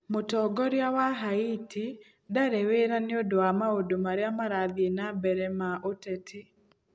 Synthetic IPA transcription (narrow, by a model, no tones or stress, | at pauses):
motɔɡɔɾjawaɦaitʰi | daɾeweɾaneodoamaodomaɾeamaɾaðienabɛɾɛmaʔotɛtʰi